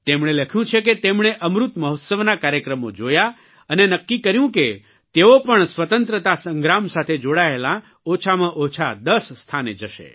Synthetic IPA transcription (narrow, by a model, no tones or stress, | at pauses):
t̪emɳ̃eləkʰjũt͡ʃʰeket̪emɳ̃eʔəmɾut̪məɦot̪səʋnakaɾjəkɾəmod͡ʒoja | ənenəkːikəɾjũke | t̪eopəɳsʋət̪ənt̪ɾət̪asə̃ŋɡɾamsat̪ʰed͡ʒoɽaelã | ot͡ʃʰamãʔot͡ʃʰa̰d̪əsːt̪ʰanḛd͡ʒəʃḛ